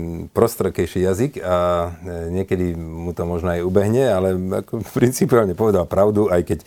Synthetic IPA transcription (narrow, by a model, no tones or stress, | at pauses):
pɾɔst̪ɾɛkɛjʃijazika | ɲɪɛkɛd̪imut̪ɔmɔʒnɔajubɛɦɲɛalɛa̰kɔpɾint͡sipɛalɲɛpɔʋɛd̪alpɾaʊd̪uajkɛc